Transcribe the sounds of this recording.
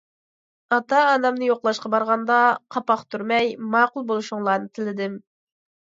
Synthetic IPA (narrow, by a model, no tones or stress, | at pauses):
ɑt̪ɑːnɑmnɨjoqlˠɑʃqɑbɑɾʁɑnd̪ɑqʰɑpɑχt̪ʰyɾmɛjmɑːqulˠbolˠuʃuŋlˠɑːnɨt̪ʰɪlɪd̪ɪm